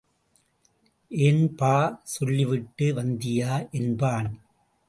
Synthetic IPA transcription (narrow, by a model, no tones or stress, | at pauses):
ʔeːnpaːsɔlːɪʋɪʈːɯʋɐnd̪ɪjaːʔɛnbaːnɯm